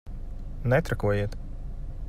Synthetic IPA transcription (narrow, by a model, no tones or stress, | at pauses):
nɛt̪ɾakuɔjiɛt̪